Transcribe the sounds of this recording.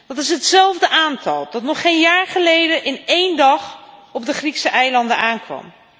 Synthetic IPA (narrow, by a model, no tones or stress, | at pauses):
d̥ɑtɪs̬ɦətsɛlˠvdəʔaːntɑ̰lˠdɑtnɔχejnjaːɹχəlejdəʔɪnejndɑχɔb̚dəχriksəʔɛjlɑndəaːnkʋɑ̰m